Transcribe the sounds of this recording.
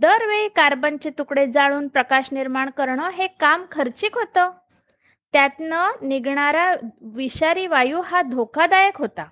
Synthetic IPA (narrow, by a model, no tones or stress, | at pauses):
d̪əɾʋeɭiːkaɾbənt͡ɕet̪ukɽed͡zaɭuːnpɾəkaɕniɾmaɳkəɾɳəɦekamkʰəɾt͡ɕiːkɦot̪əː | t̪jat̪nəniɡɳaɾaʋiɕaɾiːʋajuːɦad̪ʱokʰad̪ajəkɦot̪a